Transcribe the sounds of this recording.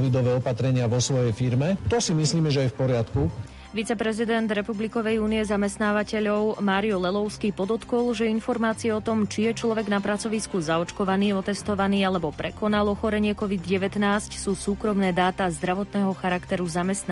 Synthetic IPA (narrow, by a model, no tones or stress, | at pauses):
ʋid̪ɔʋɛːɔpat̪ɾɛɲɪaʋɔsʋɔjɛjfiɾmɛt̪ɔsimisliːmɛʒɛajfpɔɾɪat̪ku | ʋit͡sɛpɾɛzid̪ɛnd̪ɾɛpublikɔʋɛjuːniɛzamɛst̪naːʋacɛʎɔʊmaːɾiɔlɛlɔʊskiːpɔd̪ɔt̪kɔlˠʒɛinfɔɾmaːt͡siɛɔt̪ɔmt͡ʃijɛt͡ʃlɔʋɛɡnapɾat͡sɔʋiskuzaɔt͡ʃkɔʋaniːɔt̪ɛst̪ɔʋaniːalɛbɔpɾɛkɔnalˠɔxɔɾɛɲɪɛkɔʋid̪ɟɛʋɛt̪naːscsuːsuːkɾɔmnɛːd̪aːt̪azd̪ɾaʋɔt̪nɛːɦɔxaɾakt̪ɛɾuzamɛst̪n